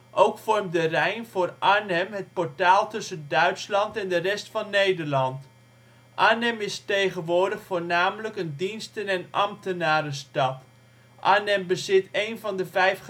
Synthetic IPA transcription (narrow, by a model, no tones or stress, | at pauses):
ʔowkfɔrmdərɛjnv̥ʊːrʔaːnɛmɦət̚pɔɹtaːlˠtɵsəndœɥtslɑntɛndərɛstfɑnːejdəɹlɑnt | ʔaːnɛmɪstejχənʋʊːɹdəχfoːɹnaːmələkəndinstənɛnʔɑ̰mtənaːɾəstɑt | ʔaːnɛmbəzɪtejnvɑndəvɛjf